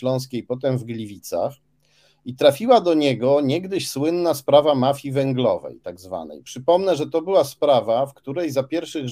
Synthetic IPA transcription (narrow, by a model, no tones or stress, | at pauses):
lɔ̃w̃skʲejpɔt̪ɛmvɡlʲivʲit̪sa̰x | it̪ɾafʲiwad̪ɔɲɛɡɔɲɛɡd̪ɘɕswɘnːaspɾavamafʲivɛŋɡlɔ̰vɛ̰jt̪aɡzva̰nɛ̰jpʂɘpɔmnɛʐɛt̪ɔbɘwaspɾavafkt̪uɾɛjzapʲjɛɾfʂɘɣ